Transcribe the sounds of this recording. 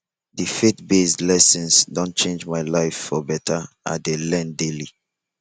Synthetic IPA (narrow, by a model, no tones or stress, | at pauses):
difetbesdlɛsɛ̃nsdɔ̃nt͡ʃẽnd͡ʒmaɪlaɪfːɔbɛtʰaʔa̰delɛ̃ndeli